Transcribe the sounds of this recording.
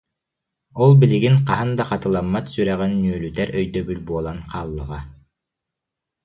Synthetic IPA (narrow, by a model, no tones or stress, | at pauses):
olˠbiliɡinqɑɦɯnd̪aqɑt̪ɯlˠɑmːat̪syɾæʁɛnːyølyt̪ɛɾœjd̪œbylbuɔlˠanqʰɑːlˠːɯʁɑ